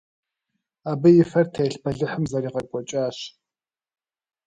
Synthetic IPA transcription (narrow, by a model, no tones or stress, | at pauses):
aːbɨjɪfɐrtʰɐjɪɬbʰɐɮɨħəmzɐɾiːʁɐrkʷʼɔt͡ʃʼaːɕ